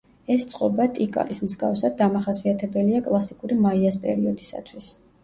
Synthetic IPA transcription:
ɛst̪sʼqʼɔbat̪ʼikʼa̰lismzɡa̰fsad̪̚ːamaχasiat̪ʰɛbɛliakʼlˠasikʼuɾimaiaspʼɛ̰ɾiɔd̪isa̰t̪ʰwis

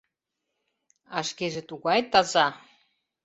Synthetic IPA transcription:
ɑʃkeʒĕt̪uɣɑjt̪ɑzɑ

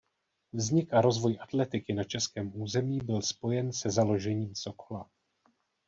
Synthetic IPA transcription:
vzɲɪkaɾo̞zvo̞jʔḁt̪lɛt̪ɪkɪnat͡ʃɛskɛːmʔuːzɛmiːbɪlspo̞jɛnsɛzalo̞ʒɛɲiːmso̞ko̥la

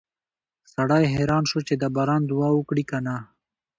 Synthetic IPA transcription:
saɽajɦeɾɑːnʃot͡ʃed̪abɑːɾɑːnd̪uɑukɽikana

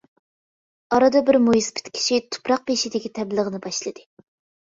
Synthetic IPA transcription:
ɑɾɑd̪ɑbɪɾmojispʰɪ̥t̪kʲʰi̥ʃit̪ʰu̥pɾɑq̚peʃid̪ɪkʲit̪ʰɛblˠəʁənɨbɑʃlˠɨd̪ɨ

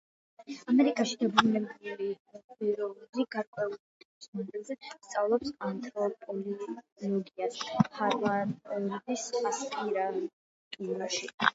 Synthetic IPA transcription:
amɛɾikʼaʃid̪abɾunɛbuli | iɾɔliɡaɾkʼwɛult̪ʼikʼismɔnd̪ilˠzɛst̪sʼavlˠɔpsant̪ʰʼɾɔpʼɔllˠɔɡiaspʰaɾvaɔb̪isχasqʼiɾa | t̪ʼuɾaʃi

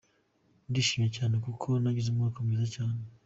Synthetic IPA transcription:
ndiːʃiːmije̞caːne̞kukʰo̞naɟizumŋokomiːzacaːne

